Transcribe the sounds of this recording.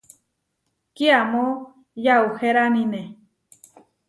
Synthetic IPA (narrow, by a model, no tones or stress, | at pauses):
kiamo | jauheɾamine